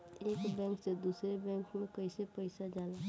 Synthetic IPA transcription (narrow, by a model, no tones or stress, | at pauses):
eːkbɛ̃ːŋksed̪uːsɾebɛ̃ːŋkmẽkəsepəɪsad͡ʒaːle